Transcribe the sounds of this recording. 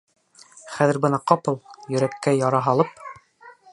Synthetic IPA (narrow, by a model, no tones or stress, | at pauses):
χæðɘ̆ɾbɤ̆nɑqɑpɤlˠjɵ̆ɾækːæjɑɾɑɦɑlˠɤp̚